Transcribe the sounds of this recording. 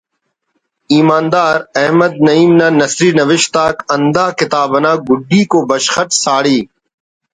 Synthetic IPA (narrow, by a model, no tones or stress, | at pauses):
iːmaːnd̪aːɾɛɦməd̪̚nɐiːmnãːnɐsɾiːnɐʋɪʃt̪aːkɐnd̪aːkɪt̪aːbənãːɡʊɖːiːkoːbɐʃxəʈ̪saːɽiː